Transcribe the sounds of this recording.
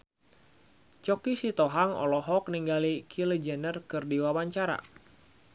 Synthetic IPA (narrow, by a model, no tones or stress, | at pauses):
t͡ʃɔkisit̪ɔɦaŋɔ̰lɔɦɔk̚niŋɡalikʰilɛd͡ʒɛnərkɨrdiwawaɲt͡ʃaɾa̰